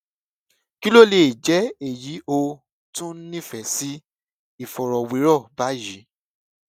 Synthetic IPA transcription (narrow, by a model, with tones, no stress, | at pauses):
ki˦lo˦˨le˨d͡ʒɛ˨˦e˨ji˨˦ʔo˧ | tũ˦n̩˦nĩ˦fɛ˨˦si˦ | i˨fɔ˨ɾɔ˨wi˨˦ɾɔ˦˨ba˨˦ji˨˦